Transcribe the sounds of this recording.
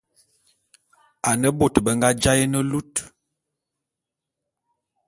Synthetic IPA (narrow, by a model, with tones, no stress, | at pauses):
a˨nə˦bo˦˨tbə˨ŋɡa˦d͡ʒa˦jə˦nə˦lu˦t